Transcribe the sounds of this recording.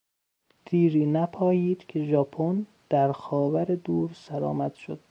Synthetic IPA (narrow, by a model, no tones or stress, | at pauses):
t̪ʰiːɾiːnæpʰɒːjiːd̪̥kʰe̞ʒɒːpʰon | d̪̥æɾxɒːvæɾe̞d̪uːɾsæɾɒ̰ːmæd̪̥ʃod̪̥̚